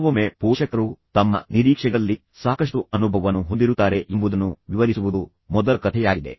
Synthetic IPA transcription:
ʋɐmepuːʂɐkɐɾut̪ɐmːɐ̰niɾiːkʂɛɡɐlːi | saːkɐʂʈuɐnubʱɐʋɐnːuɦond̪iɾut̪ːaːɾe̞ʔimbud̪ɐnːuʋiʋɐɾisuʋud̪u | mɔd̪ɐkɐt̪ʰɛjaːɡid̪e̞̰

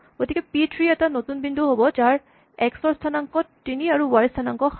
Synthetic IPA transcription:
ɡ̥otʰikɛpitʰɹiɛtanotunbindʱuɦobɔd͡ʒaɹ | ɛksɔɹstʰanaŋkɔtːiniaɹuwaɹistʰanaŋkɔx

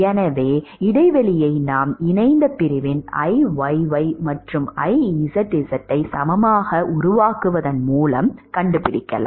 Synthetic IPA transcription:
ɛnɐʋeːɪɽɐɪʋɐɭɪjɐɪnaːmɪnɐɪnd̪ɐpɪɾɪʋɪnɐ̰ɪʋɐɪʋɐɪmɐʈrɯmɐɪisɐʈːɪsɐʈːɐɪsɐmɐmaːɣɐʔʊɾʊʋaːkɯʋɐðɐnmuːlɐmkɐɳɖɯpɪɽɪkːɐ̰la̰

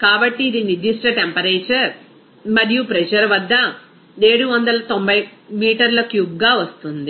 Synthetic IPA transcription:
kaːbɐʈːiːd̪inid͡ʒ̪iʂʈɐʈempɐɾeːt͡ʃɐɾ | mɐɾijupɾɛd͡ʒɐɾʋɐd̪ːɐ | e̞ːɽuʋɐnd̪ɐlɐt̪o̞mbʱɐjmiːʈɐɾlɐkjuɡːaːʋɐst̪und̪i

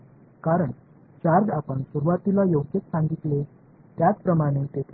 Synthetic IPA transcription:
kaɾəɳ | t͡ɕaɾɡapəɳsuɾuʋat̪ilajowket͡ssãŋɡit̪le | t̪jat͡spɾəmaɽ̃et̪et̪ʰ

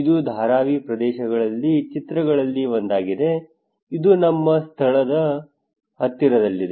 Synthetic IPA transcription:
id̪ud̪ʱaːɾaːʋipɾɐd̪ɛːʃɐɡɐɭɐlːit͡ʃit̪ɾɐɡɐɭɐlːiʋond̪aːɡid̪e̞ | id̪unɐmːɐst̪ʰɐɭɐd̪ɐ | hɐt̪ːiɾɐd̪ɐlːid̪e

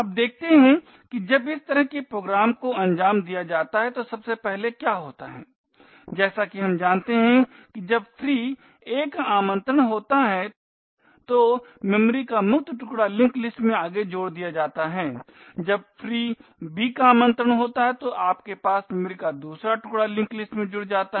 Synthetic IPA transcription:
aːp̚d̪eːk̚ʰt̪eɦɛ̃ | kid͡ʒɐbɪst̪ɐɾəɦkepɾoːɡɾaːmkoɐ̃ɲd͡ʒaːmd̪ijad͡ʒaːt̪aɦɛt̪osɐbsepɛɦlekjaːɦoːt̪aɦɛ̰ː | d͡ʒɛːsakiɦɐmd͡ʒaːnt̪eɦɛ̃ | kid͡ʒɐb̚fʰɾiː | eːkaːmə̃nt̪ɾəɽ̃ɦoːt̪aɦɛ | t̪omɛmɾikamʊkt̪əʈʊkɽalɪ̃ŋklɪsʈmẽaːɡed͡ʒoːɽd̪ijad͡ʒaːt̪aɦɛː | d͡ʒɐb̚fɾiːbʱikaaːmə̃nt̪ɾəɽ̃ɦoːt̪aɦɛt̪oʔaːpkepaːsmɛmɾikad̪uːsɾaʈʊkɽalɪ̃ŋklɪsʈmẽd͡ʒʊɽd͡ʒaːt̪a

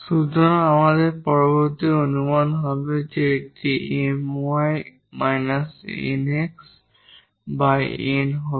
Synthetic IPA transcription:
sudɔnamazɛpɔɹɔbɔɹt̪ionumanɦɔbeteetienaj | majnasḭneks | bajenɦɔ

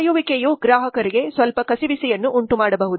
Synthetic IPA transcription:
juʋikejuɡɾaːɦɐkɐɾiɡe̞sʋɐlpɐkɐsibisɛjɐnːuʔːɳʈumaːɽɐbɐɦud̪u

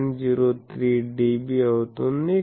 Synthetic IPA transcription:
nd͡ʒiɾot̪ɾiɖibiat̪onːi

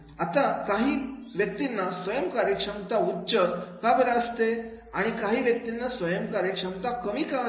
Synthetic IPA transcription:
at̪akaɦiːʋjək̚t̪inːasʋəjəmkaɾjəkʂəmt̪autːɕəɾkabəɾaəst̪e | aɽ̃ikaɦiːʋjək̚t̪inːasʋəjəmkaɾjəkʂəmt̪akəmiːkã

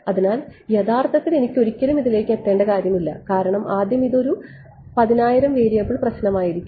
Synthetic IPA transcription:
ɐðinaːljɐðaːrt̪ʰɐt̪ːile̞nikʲːo̞ɾikʲːɐlumiðile̞ːkːet̪ːe̞ːɳɖɐkaːɾjɐmilːɐ̰kaːɾɐɳɐmaːd̪jɐmiðo̞ɾu | pɐðinaːjiɾɐmʋeːɾijɐpːiɭprɐɕnɐmaːjiɾikʲːu

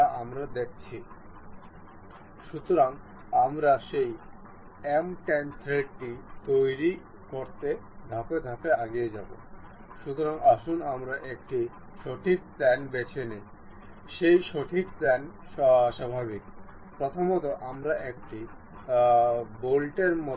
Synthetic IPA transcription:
aʔamɾad̪ek̚t͡ɕʰi | ʃut̪oɾaŋ | amɾaʃej | emʈent̪ʰɾeɖʈit̪ojɾi | koɾt̪e | d̪ʱaped̪ʱapeaɡijed͡ʑabo̰ | ʃut̪oɾaŋaʃunamɾaʔek̚ʈi | ʃoʈʰik̚pɛnbet͡ɕʰeni | ʃejʃoʈʰikpɛn | ʃabʱabik | pɾot̪ʰomot̪oʔamɾaʔek̚ʈi | bolʈeɾmɔ

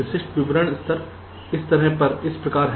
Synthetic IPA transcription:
ɪʃɪʃʈʋɪʋɾəɽ̃ɪst̪əɾ | ɪst̪ɐɾɛpɐɾɪspɾɐkaːɾɦ

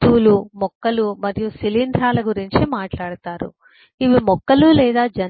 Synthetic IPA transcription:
t̪uːlumɔkːɐlumɐɾijusilind̪ɾaːlɐɡuɾiɲt͡ʃimaːʈlaːɽut̪aːɾṵ | iʋimɔkːɐlulɛːd̪aːd͡ʒɐ

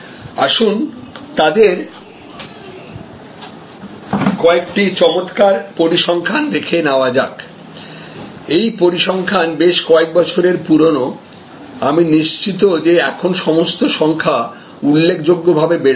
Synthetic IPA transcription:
a̰ʃunt̪ad̪eɾ | kɔek̚ʈit͡ɕɔmot̪kaɾpoɾiʃɔŋkʰanɾekʰenaoad͡ʑa̰k | ejpoɾiʃɔŋkʰanbeʃkɔek̚bɔt͡ɕʰoɾeɾpuɾono | aminiʃt͡ɕit̪od͡ʑeɛkʰonʃɔmost̪oʃɔŋkʰa | ulːekʰd͡ʑoɡːobʱabebeɾ

